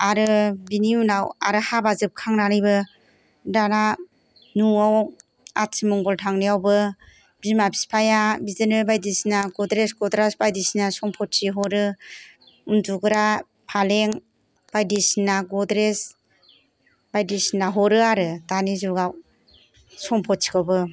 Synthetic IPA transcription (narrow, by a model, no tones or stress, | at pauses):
aɾɯbiniunawaɾɯhabazɯp̚kʰaŋnaɾɯjbɯ | dana | nuaw | at̚simɔŋɡɔltʰaŋnijawbɯ | b̥imabʰi̥spʰajabizɯnɯbajdisinaɡɔdɾesɡɔdɾasbajdisinasɔŋpʰɔt̚siɦɔɾɯ | untuɡɯɾa | pʰaleŋ | b̥ajdisinaɡɔdɾes | bajdisinaɦɔɾɯaɾɯtanizuɡaw | sɔŋpʰɔt̚sʰi̥kʰabɯ